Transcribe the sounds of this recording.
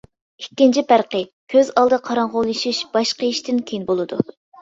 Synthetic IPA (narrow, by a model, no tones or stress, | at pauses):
ikʲːint͡ʃʰipæɾqə | kʲʰøzɑlˠd̪ɨqʰɑɾɑŋʁolˠɨʃuʃb̥ɑʃqəiʃt̪ɪnkʲʰejinbolˠɨd̪u